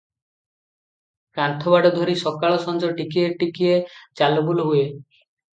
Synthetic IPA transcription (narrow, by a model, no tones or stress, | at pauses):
kɾant̪ʰɔbaɖɔd̪ʱɔɾisɔkaɭɔsɔnd͡ʒɔʈikieʈikiet͡ʃalubuluɦue